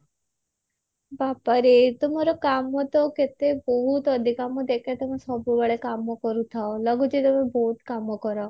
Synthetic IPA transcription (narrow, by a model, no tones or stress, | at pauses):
bapəɾet̪əmaɾokamot̪oket̪ebɔɦut̪əd̪ʱikamõd̪ekʰet̪əmẽsɔbubəɭekamokɔɾut̪ʰaoləɡud͡ʒet̪əmẽbɔɦut̪kamokɔɾa